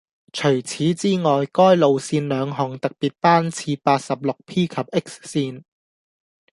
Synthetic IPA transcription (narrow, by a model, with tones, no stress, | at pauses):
t͡sʰɵ˨˩ɥt͡sʰiː˨˥t͡siː˥ŋɔː˨˩jkɔː˥jlo˨wsiː˧nlœː˨˧ŋɦɔ˨˩ŋt̪ɐ˨k̚piː˨˩t̚paː˥nt͡sʰiː˧paː˧t̚sɐ˨p̚lʊ˨k̚pʰiː˥kʰɐ˨p̚ʔɪ˥k̚ssiː˧n